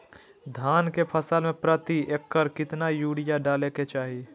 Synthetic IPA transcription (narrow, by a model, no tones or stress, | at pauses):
d̪ʱaːnkepʰəsəlmẽpɾət̪iekːəɾkɪt̪najuːɽijaɖaːleket͡ʃaːɦi